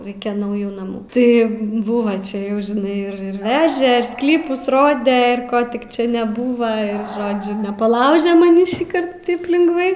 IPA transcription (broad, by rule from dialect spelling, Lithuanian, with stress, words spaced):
ˈrɐɪkʲɛ nɐʊˈjuː nɐˈmuː tɐɪ ˈbʊʋɐ ˈt͡ʃʲɛ ˈjɛʊ ʒʲɪˈnɐɪ ɪr ɪr ˈʋʲæːʒʲɛ ɪr ˈsklʲiːpʊs ˈroːdʲɛ ɪr ˈkoː tʲɪk ˈt͡ʃʲɛ nʲɛˈbuːʋɐ ɪr ˈʒoːd͡ʒʲʊ nʲɛpɐˈlˠɐʊʒʲɛ mɐˈnʲiː ʃʲiːˈkɐrt ˈtɐɪp lʲɪŋɡˈʋɐɪ